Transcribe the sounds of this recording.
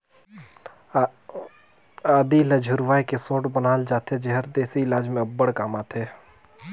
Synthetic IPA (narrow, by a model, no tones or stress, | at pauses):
aːd̪ilɐd͡ʒʱʊɾʋaːikesõːʈbənaːld͡ʒaːt̪ʰed͡ʒɐɦəɾd̪eːsiɪlaːd͡ʒmẽɐbːəɽkaːmaːt̪ʰeː